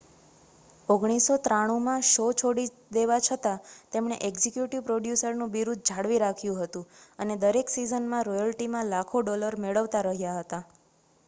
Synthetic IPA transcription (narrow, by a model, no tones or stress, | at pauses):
oɡɽ̃isot̪ɾaɽ̃umãʃot͡ʃʰoɽi | d̪eʋat͡ʃʰət̪at̪emɳ̃eʔeɡzikjuʈiʋpɾoɖjusəɾnũbiɾud̪̚d͡ʒʱaɽʋiɾakʰjũɦət̪ũəned̪əɾeksizənmãɾɔjəlʈimãlakʰoɖɔləɾmeɭəʋt̪aɾəɦjaɦət̪a